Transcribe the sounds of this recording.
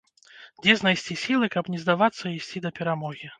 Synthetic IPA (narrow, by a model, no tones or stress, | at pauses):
d͡zʲɛznajsʲt͡sʲisʲilˠɨkɐpnʲɛzd̪avat̪sːɐisʲt͡sʲid̪ɐpʲɛɾamɔɣʲi